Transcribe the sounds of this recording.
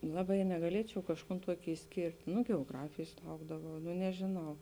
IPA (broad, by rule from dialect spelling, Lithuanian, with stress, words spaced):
ˈlˠɑːˌbɐɪ nʲɛɡɐˈlʲiɛt͡ʃʲɛʊ kɐʃˈkuːn ˈtuɔkʲɪ ɪʃʲˈsʲkʲeːrʲtʲ nʊ ɡʲɛoːˈɡrɑːfʲeːjs ˈlˠɐʊɡdɐʋɐʊ nʊ nʲɛʒʲeːˈnɐʊ